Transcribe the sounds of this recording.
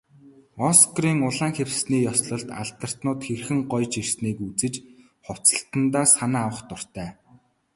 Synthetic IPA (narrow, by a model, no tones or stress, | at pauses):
ɔskriːŋʊɮaːŋxewsniːjɔsɮɞ̆ɮt̪a̰ɮt̪ə̆r̥t̪nʊːt̪xerxɘ̆ŋɢɔjt͡ɕirsniːkut͡sɘ̆t͡ɕ | χʊw̥t͡sə̆ɬt̪ə̆nt̪aːsanaːwə̆χt̪ʊr̥t̪æː